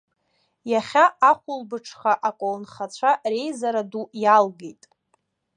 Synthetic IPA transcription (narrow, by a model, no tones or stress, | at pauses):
jaχʲaaχʷʊlbɨʈ͡ʂʰχaʔakʷʼonχat͡ɕʷʰare̞jzaɾadujalɡejtʼ